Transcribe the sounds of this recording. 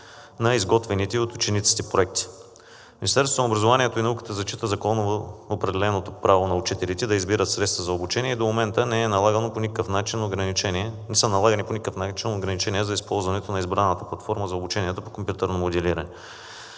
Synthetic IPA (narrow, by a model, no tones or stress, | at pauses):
nɐizɡɔt̪vɛnit̪ɛiot̪ʊt͡ʃɛnit̪si̥t̪ɛpɾoɛk̚t̪i̥ | minist̪ɛɾst̪onobɾɐzovaniɛt̪oinɐukə̥t̪əzɐt͡ʃit̪əzɐkɔnovoopɾɛd̪ɛlɛnot̪opɾavonɐʊt͡ʃit̪ɛlit̪ɛd̪ɐizbiɾət̪sɾɛt̪st̪vɐzɐobut͡ʃɛnʲiɛid̪omomɛnt̪ənɛɛnɐlˠaɡənoponikəfnat͡ʃinːoɡɾɐnit͡ʃɛnʲiɛnɛsənɐlˠaɡəniponikəfnat͡ʃinoɡɾɐnit͡ʃɛnʲiɛzɐispɔlˠzvɐnɛt̪onɐizbɾanɛnət̪əplˠɐt̪fɔɾməzɐobut͡ʃɛniɛt̪opo̥kompjut̪ɛɾnomod̪ɛliɾɐnɛ